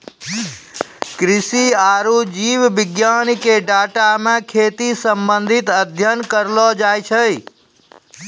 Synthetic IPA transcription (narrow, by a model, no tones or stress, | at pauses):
kɾisiaɾud͡ʒiwbiɡjanikeɖaʈamekʰet̪isəmbənd̪ʱit̪əd̪ʱjənkəɾlɔd͡ʒajt͡ʃʰəj